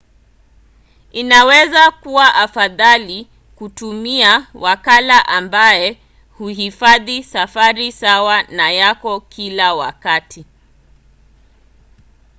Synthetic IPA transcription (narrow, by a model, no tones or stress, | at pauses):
inawɛzakuwaʔafaðali | kutumiawʔakalaʔambajɛ | huhifaðisafaɾisawanajakɔkʰilawa̰katʰi